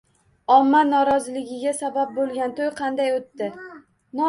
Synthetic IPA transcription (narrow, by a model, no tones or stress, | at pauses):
ɒmːanɒɾɒzɪlɪɡʲɪɡʲasabap̚bolˠɡʲant̪ʰojqʰɑnd̪ajot̪ːɪ | nɒ